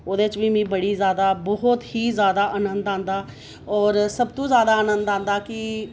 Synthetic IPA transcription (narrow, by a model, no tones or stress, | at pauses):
oːd̪eːɪt͡ʃʋiːmĩːbəɽiːzjaːd̪aːbɔɦʊt̪hiːzjaːd̪aːʔənənd̪ãːnd̪aː | ɔːɾsəbt̪õːzjaːd̪aːənənd̪ãːnd̪aːkɪ